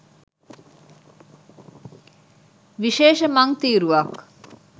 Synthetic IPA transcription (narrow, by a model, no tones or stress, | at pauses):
ʋiʃeːʃɐmɐŋt̪iːɾuʋɐk